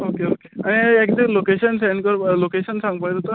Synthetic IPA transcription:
okeokeaɽ̃iek̚d̪elokeɕənsɛ̃ɳɖkəɾlokeɕənsãŋɡpajt̪ot̪ə

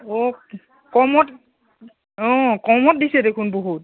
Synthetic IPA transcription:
ɔ | kɔmɔt | ɔ̃kɔmɔt̚disɛdekʰunboɦut̚

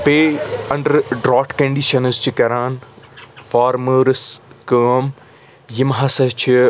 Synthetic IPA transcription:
peːɐ̃ɳɖɐɾɖɾaːʈkɐɳɖiːʃɐnɨzt͡ʃʰikɐɾaːn | faːɾməːɾskəːm | jimɦɐsɐt͡ʃʰi

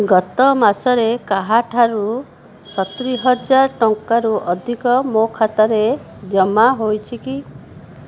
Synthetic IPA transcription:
ɡɔt̪ɔmasɔɾekaɦaʈʰaɾu | sɔt̪iɾiɦɔd͡ʒaɾɔʈɔŋkaɾuʔɔd̪ʱikɔmokʰat̪aɾe | d͡ʒɔmaɦojt͡ʃʰiki

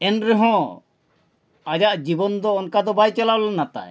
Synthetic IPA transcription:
ɛnɾɛɦɔ̃ | ad͡ʒaʔd͡ʒibɔnd̪ɔːnkad̪ɔbajt͡ʃalalɔnat̪a̰j

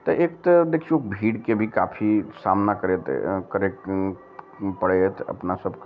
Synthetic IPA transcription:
t̪ɐʔeːk̚t̪əd̪eːkʰioːkbʱiːɽkebʱika̰ːpʰisaːmnakəɾet̪kəɾe | pəɽet̪ɐ̰pnasəbk

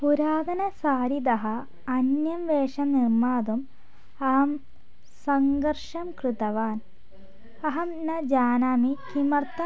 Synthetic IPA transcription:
puɾaːd̪ɐnɐsaːɾid̪ɐɦɐː | njɐmʋeːʂɐnirmaːd̪um | ɐɦɐm | sɐŋɡɐrʂɐmkrit̪ɐʋaːn | ɐɦɐmnɐd͡ʑaːnaːmikimɐrt̪ːɐ

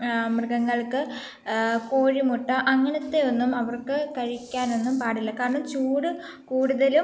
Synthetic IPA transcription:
mrɨɡɐŋːɐɭkɨ | ko̞ːɻimuʈːɨʔɐŋːɐnɐt̪ːe̞o̞nːumɐʋɐrkɨkɐɻikʲːaːno̞nːumpaːɽilːɐkaːɾɐɳɐmt͡ɕuːɽɨ | kuːɽuðɐlum

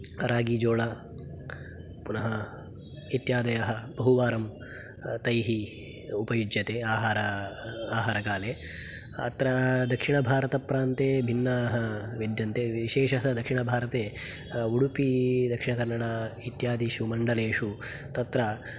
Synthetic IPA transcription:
ɐɾaːɡiːd͡ʒoːɭɐ | punɐɦɐ | it̪jaːd̪ɐjɐɦɐbɐɦuʋaːɾɐm | t̪ɐjɦi | upɐjud͡ʒjɐt̪eːaːɦaːɾɐaːɦaːɾɐkaːleː | ɐ̰t̪ɾɐd̪ɐkʂiɳɐbʱaːɾɐt̪ɐpɾaːnt̪eːbʱinːaːɦɐʋed̪jɐnt̪eːʋiʃeːʃɐɦɐd̪ɐkʂiɳɐbʱaːɾɐt̪eː | uɽupid̪ɐkʂiɳɐkɐɾnɐɽait̪jaːd̪iʃumɐɳɖɐleːʂu | t̪ɐt̪ɾɐ

